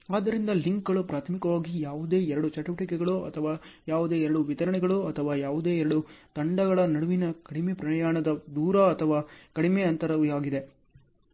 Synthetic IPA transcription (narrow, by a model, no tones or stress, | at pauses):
aːd̪ɐɾind̪ɐliŋkɡɐɭupɾaːt̪ʰɐmikɐʋaːɡijaːʋud̪e̞ːɛɾɐɽut͡ʃɐʈuʋɐʈikɛɡɐɭuɐ̰t̪ʰɐʋaːjaːʋud̪e̞ːɛɾɐɽuʋit̪ɐɾɐɳɛɡɐɭuɐt̪ʰɐʋaːjaːʋud̪e̞ːɛɾɐɽut̪ɐɳɖɐɡɐɭɐnɐɽuʋinɐkɐɽimepɾɐɐjaːɳɐd̪ɐd̪uːɾɐɐt̪ʰɐʋaːkɐɽimeɐnt̪ɐɾɐʋijaːɡid̪e̞